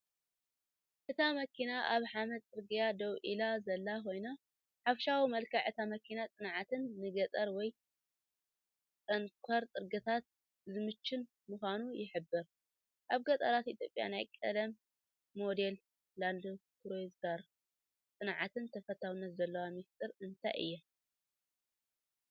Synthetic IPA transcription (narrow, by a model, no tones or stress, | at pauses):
ʔɨt̪ʰamɐkʰinaʔaβħamɐt̪ʼɨɾɡijad̪ɐwʔilazɐlːako̞jna | ħafʃawimɐlkʰɐʕɨt̪ʰamɐkʰinat͡sʼɨnʕat̪ɨnːɨɡɐt̪ʼɐɾwɔj | t͡sʼɐŋkʷʰɐɾt̪ʼɨɾɡɐt̪ʰat̪̚ | zɨmɨt͡ʃːɪn | mɨxʷanujɪħɨbːɨɾ | ʔaβɡɐt̪ʼɐɾat̪ʔit̪ʰjo̞pʼja̰na̰jkʼɐlɐmː | o̞d̪e̞l | lald̪okʰɾozɡaɾ | t͡s̪ʼɨnʕat̪ʰɨnt̪ʰɐfɐt̪ʰawɨnːɐt̪zɐlːɐwamist̪ʼɨɾɨnt̪ʰa̰jʔɨ̰jːɛ